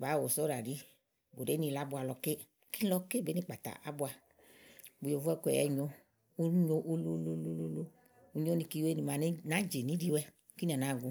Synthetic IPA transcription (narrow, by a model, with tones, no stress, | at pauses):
ba˨˦wo˨so˦ɾa˨di˨˦ | bo˨de˨˦ni˧la˦bʊ˧a˧lɔ˧ke˦˧ | ki˦lɔ˧ke˦be˨˦i˧˨k͡pa˨ta̰˨ʔa̰˦bʊ˧a˧ | bu˨jo˨vɛ˦˧˦kʷɛ̰˨jɛ̰˧ɲo˧ | u˦ɲo˧ʔu˧lu˧lo˧lo˧lo˧lo˧ | u˧ɲo˦ni˧ki˧we˦ni˨˧ma˨ni˦na˨˦d͡ʒe˨ni˨˦di˧wɛ˧ | ki˦ɛ˨na˨ɡu˧